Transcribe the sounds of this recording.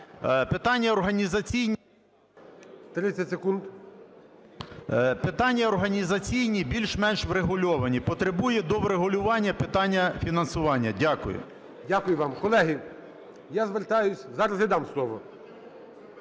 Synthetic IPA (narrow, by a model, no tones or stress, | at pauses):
pet̪ɑnʲːɐɔrɦɐnʲizɐt͡sʲijnʲ | t̪ɾɪt͡sʲɐtʲsekund̪ | pet̪ɑnʲːɐɔrɦɐnʲizɐt͡sʲijnʲibʲilʲʃmɛnʃʋɾeɦʊlʲɔʋɐnʲipɔt̪ɾebujɛd̪ɔʋɾeɦʊlʲʊʋɑnʲːɐpɪt̪ɑnʲːɐfʲinɐnsʊʋɑnʲːɐdʲakʊ̰jʊ̰ | dʲakʊjʊʋɑmkɔlˠɛɦɪ | jazʋert̪ɑjʊsʲzɑɾɐzʲɪd̪ɑmslˠɔʋɔ